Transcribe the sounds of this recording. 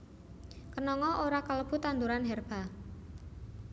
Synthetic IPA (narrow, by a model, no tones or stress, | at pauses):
kənɔŋɔʔoɾakələb̥ṳt̪and̪uɾanɦɛrb̥a